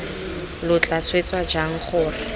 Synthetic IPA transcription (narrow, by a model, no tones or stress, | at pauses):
lʊt͡ɬʼaswet͡sʼwad͡ʒaŋ̩χʰʊːrɪ